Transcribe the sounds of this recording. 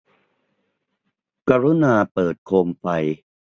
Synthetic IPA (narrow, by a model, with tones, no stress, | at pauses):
ka˧ɾu˦˥naː˧pɤː˨˩t̪̚kʰoː˧mfa˧j